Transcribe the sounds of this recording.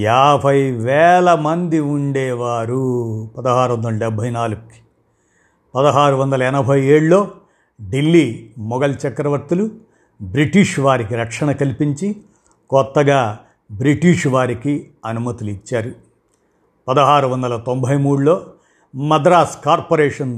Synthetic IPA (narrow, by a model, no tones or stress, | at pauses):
jaːbʱɐjʋɛːlɐmɐnd̪iuɳɖɛːʋaːɾupɐd̪ɐɦaːɾuʋɐnd̪ɐlɐɖɛbʱɐjnaːluɡuki̥ | pɐd̪ɐɦaːɾuʋɐnd̪ɐlɐɛnɐbʱɐjeːɭulo̞ː | ɖilːiːmɔɡɐlt͡ʃɐkɾɐʋɐɾt̪ulu | bɾiʈiʂʋaːɾikiɾɐkʂɐɳɐkɐlipiɲt͡ʃi | kɔt̪ːɐɡaː | bɾiʈiʂʋaːɾiki | ɐnumɐt̪iluit͡ʃːaːɾu | pɐd̪ɐɦaːɾuʋɐnd̪ɐlɐt̪ombʱɐjmuːɽulo̞ː | mɐd̪ɾaːskaːɾpoɾɛːʂɐn